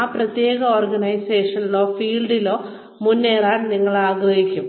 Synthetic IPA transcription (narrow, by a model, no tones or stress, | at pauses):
aːprɐt̪je̞ːɣɐoːrɡɐnɐjse̞ːʂɐnilo̞ːfiːlɖilo̞ː | munːe̞ːraːnniŋːɐɭaːɡrɐɦikʲːum